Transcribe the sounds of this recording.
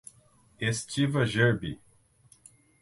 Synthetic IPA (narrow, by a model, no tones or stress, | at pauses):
est͡ʃivɐʒeɾbḭ